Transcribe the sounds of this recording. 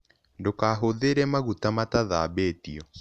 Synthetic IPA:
ndokaːɦoðeɾɛmaɣutamataða̰ːbeːtiɔ

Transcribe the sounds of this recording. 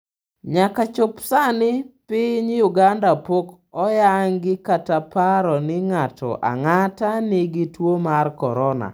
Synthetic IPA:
ɲakat͡ʃopsanɪpɪɲjʊɡandapok | ɔjaŋɡɪkatapaɾɔnɪŋatʰɔ̰ʔa̰ŋatanɪɡɪtwomarkɔ̰ɾɔna̰

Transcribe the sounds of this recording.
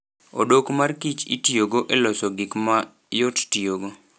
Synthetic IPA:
o̰dokmarkit͡ʃḭtjoɡoʔelɔsɔɡɪkma | jottioɡo

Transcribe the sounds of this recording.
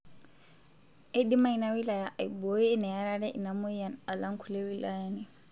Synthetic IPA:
ʔedimajinawilajaʔajbojinɛjaɾadɛʔḭnamujanalaŋkʰulewilajani

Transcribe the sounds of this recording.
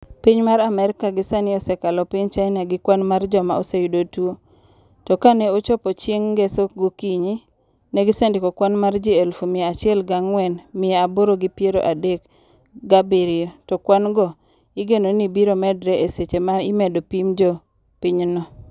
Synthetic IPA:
piɲmaɾamɛɾɪkaɡɪsanɪɔsɛkalɔpiɲt͡ʃaɪnaɡɪkwanmard͡ʒɔmaosejudotuo | tɔkaneot͡ʃɔpɔt͡ʃjeŋɡesoɡokiɲi | nɛɡɪsendɪkɔkwanmard͡ʒiɛlfumɪeat͡ʃɪɛlɡaŋwɛnmɪeaboɾoɡipjeɾo̰ʔadek | ɡabiɾɪotɔkwanɡɔ | ɪɡenonibiɾomɛdɾɛʔeset͡ʃemaɪmɛdopimd͡ʒɔ | piɲnɔ

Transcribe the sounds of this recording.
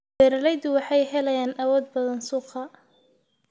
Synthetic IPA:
bɛːɾɐlɛjd̪ʊwɑħɑjɦɛlɐjaːnʔɐwɔːd̪̚bɐðɐnsuːqʰɐ

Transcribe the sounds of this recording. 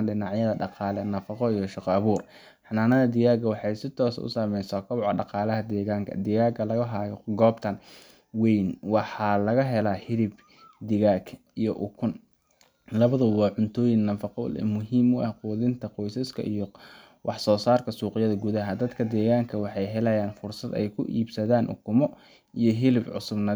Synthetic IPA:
nɖɪnɑʕjɐðɐɖɑqɑːlɛnɐfɑqɔijɔʃɪqɔɐβuːr | ħɑnaːnɐðɐd̪ɪjaːɡɐwɑħɑjsɪt̪ʰɔːsɐ̰ʊ̰samɛjsɐkʰɐβʕɖɑqɑːlɐɦɐd̪ɛːɣaːŋkʰɐ̰d̪ɪjaːɡɐlɐɣɐɦaːjɔɡɔːbt̪ʰɐn | wejnwɑħɑlɐɣɐɦɛlaːhɪɾɪb | d̪ɪɣaːɡ | ijɔʔʊkʰʊn | lɐβɐðɐwɑːʕʊnt̪ʰɔːjɪŋnɐfɑqɔ̰lɛ̰mʊɦiːmʊʔɐhquːðɪnt̪ʰɐqɔjsɐskʰɐ̰ʔijɔ | wʔɑħsɔːsaːrkʰɐsuːqɪjɐðɐɡʊðɐɦɐd̪ɐd̪kʰɐd̪ɛːɣaːŋkʰɐwɑħɑjɦɛlɛjaːnfʊrsɐd̪ɛ̰jkʰʊʔḭːbsɐðaːnʔʊ̰kʰʊmɔ | ijɞɦɪlɪbʕʊ̰sʊbnɐ

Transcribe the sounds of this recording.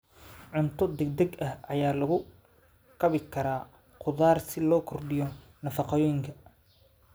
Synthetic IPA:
ʕʊnt̪ʰɔd̪ɛɡ̚d̪ɛɡɐhɐjaːlɐɣʊ | kʰɐβɪkʰɐɾaː | qʰʊðaːrsɪlɔːkʰɔrɖɪjɔ | nɐfɑqɑjɔːjŋkʰɐ

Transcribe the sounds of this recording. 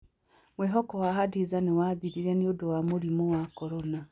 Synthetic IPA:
mwɛɦɔkɔwaɦadizanewaðiɾiɾɛneodowamoɾimowakɔɾɔna

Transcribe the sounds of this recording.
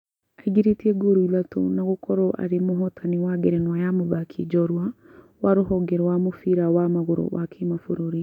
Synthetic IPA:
aiɡiɾetiɛɡoɾuilato̰naɣokɔɾoʔa̰ɾemoɦɔtʰaniwaɡeɾenwajamoβakʰḭd͡ʒɔɾwa | waɾoɦɔɡeɾwamofiɾawamaɣoɾo̰βakʰemafoɾoɾi

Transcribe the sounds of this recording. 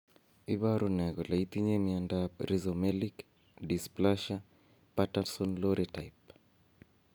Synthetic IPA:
iβaɾunɛɣɔlait̪iɲɛmiandaɾizɔmɛlik | displaʃa | pataɾsɔnlɔɾitajp

